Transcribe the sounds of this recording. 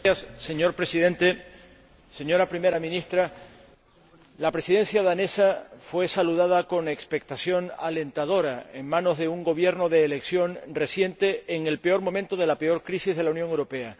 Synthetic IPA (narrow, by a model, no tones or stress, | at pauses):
sːe̞ɲo̞ɾpɾe̞sið̞e̞nt̪e̞ | se̞ɲo̞ɾapɾime̞ɾamĩnist̪ɾa | lapɾe̞siðe̞nsjaðane̞safwe̞saluðað̞ako̞ne̞kspe̞k̚t̪asjo̞na̰le̞nt̪að̞o̞ɾaeŋmãno̞zðe̞uŋɡo̞β̞je̞ɾno̞ðe̞ːle̞ksjo̞nre̞sje̞nt̪e̞ːŋe̞lpeo̞ɾmõ̞mẽnt̪o̞ð̞e̞lape̞o̞ɾkɾisizð̞e̞launjoŋewɾo̞pe̞a